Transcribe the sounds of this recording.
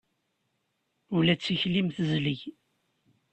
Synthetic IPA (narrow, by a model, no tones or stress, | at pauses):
ʊlæt͡sːiçlimθəzliʝ